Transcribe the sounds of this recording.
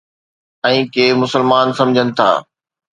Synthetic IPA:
ɛ̃ːkeːmʊsəlmaːnsɐ̃md͡ʑʱənɪ̆t̪ʰa̰ː

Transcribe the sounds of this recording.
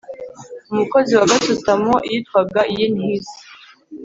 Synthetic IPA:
umuko̞ziwaɡatutamoʔijitkwabɡaʔijenhizi

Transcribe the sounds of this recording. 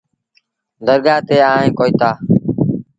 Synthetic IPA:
d̪əɾɡaːt̪eːaːɦẽːkoːiːt̪aː

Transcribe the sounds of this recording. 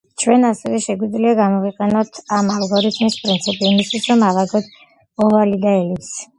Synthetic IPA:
t͡ʃʰwɛnasɛvɛʃɛɡwid̪zliaɡamɔviqʼɛnɔt̪ʰamalˠɡɔɾit̪ʰmispʼɾint̪sʰipʼiːmist̪ʰwisɾɔmalaɡɔt̪ | ɔvalid̪aɛlips

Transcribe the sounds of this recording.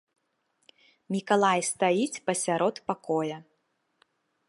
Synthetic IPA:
mʲikalˠajst̪ajit͡sʲpɐsʲaɾʔɔt̪pakɔjɐ

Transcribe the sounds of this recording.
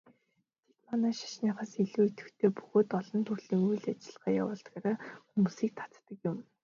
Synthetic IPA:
t̪ʰe̥t̪maːnaːʃḁʃniːχaːsiɮuːit̪ɘ̆xt̪ʰeːpuɣoːt̪ɔɮɞ̆nt̪ʰurɮiːŋujɮat͡ɕɪ̆ɮʁaːja̰wʊ̰ːɮt̪ɡaːɾaːxumuːsiːk̚t̪ʰḁt͡st̪ə̆kjʊm

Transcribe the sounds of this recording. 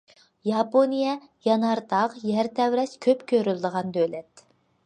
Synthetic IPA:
jɑponijɛ | jɑnɑɾt̪ɑqjæɾt̪ʰɛwɾɛskʲʰøpkʲʰøɾylˠd̪əʁɑnd̪øjlɛt̪

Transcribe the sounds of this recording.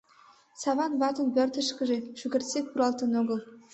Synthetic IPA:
sɑβɑnβɑt̪ɤ̆npørt̪ə̆ʃkɘ̆ʒĕʃyɡʲɘ̆rt̪ʲsʲek̪̚puɾɑlˠt̪ɤ̆noɡɤ̆lˠ

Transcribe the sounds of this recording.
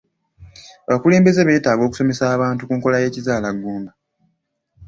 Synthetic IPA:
aβakule̞ːmbe̞ze̞βe̞ːtaːɡo̞ːku̥so̞me̞saːβaːntukuːŋko̞laje̞ːcizaːlaɡːuːmba

